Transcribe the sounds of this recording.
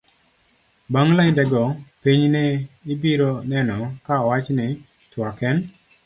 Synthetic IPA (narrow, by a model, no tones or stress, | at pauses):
baŋlajdɛɡɔpiɲneɪbiɾonɛnɔkaɔwat͡ʃnɪ | twɔkɛn